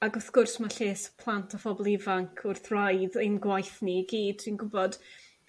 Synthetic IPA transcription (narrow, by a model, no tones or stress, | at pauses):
aɡʊθɡʊrsmaɬeːspʰlˠantʰɔfɔbɔlˠɪvaŋkʰʊrθrajðejnɡwajθniɡiːd̥̚tʰinɡʊbɔd̥